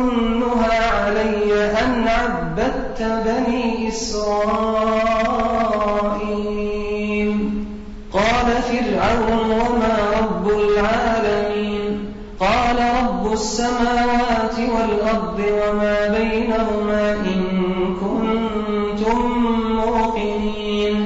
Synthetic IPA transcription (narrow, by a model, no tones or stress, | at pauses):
nːʊɦaːʕalajːaʔanʕabːad̪t̪baniːʔɪsɾˤɑɑː | ʔiː | m | qɑːlafɪɾʕawnwamaːɾˤɑbːʊlʕaːlamiːn | qɑːlaɾˤɑbːʊsːamaːwaːt̪ɪwalʔɑɾˤd̪ˤɨwamaːbajnahʊmaːʔɪnkʊn | t̪ʊmːʊːqɨniːn